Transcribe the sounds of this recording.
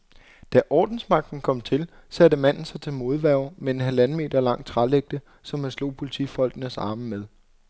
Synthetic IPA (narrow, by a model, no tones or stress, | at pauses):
d̥æʔɒːd̥n̩smɑ̈ɡ̥̚d̥n̩kʰɒ̽m̰t͡sʰe̝lsædəmæn̰n̩sɑ̈ɪt͡sʰe̝lmo̝ð̞ˠʋæɐʊmee̝nɦælænəme̝̰ːd̥ɐlɑ̈ŋ̰t͡sʰʁɑleɡ̥̚d̥ə | sɒ̽mhæslo̝̰ːpʰo̝lit͡sʰḭfɒ̽l̰ɡ̥ənəsɑ̈ːməmeðˠ